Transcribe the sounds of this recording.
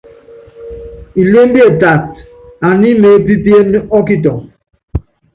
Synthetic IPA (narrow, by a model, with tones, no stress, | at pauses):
i˨le˦m˦bi˦e˨ta˨t | a˨ni˦me˨˦pi˦pi˦e˦m˦ɔ˦ki˦tɔ˨